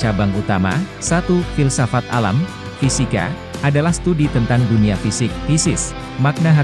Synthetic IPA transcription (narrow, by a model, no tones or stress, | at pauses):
abaŋut̪ama̰ | sat̪ufilsafat̪̚a̰la̰m | fisika̰ | ʔadalahst̪udit̪ənt̪anduniafisɪk̚fisɪs | mak̚naɦa